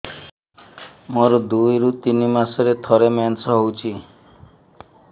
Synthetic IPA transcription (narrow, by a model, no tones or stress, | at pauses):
moɾɔd̪ujɾut̪inimasɔɾet̪ʰɔɾemansɔɦowt͡ʃʰi